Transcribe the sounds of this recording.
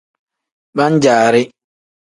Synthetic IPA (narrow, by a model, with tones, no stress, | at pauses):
ba˦ɲ˦d͡ʒaː˨ɾɪ˦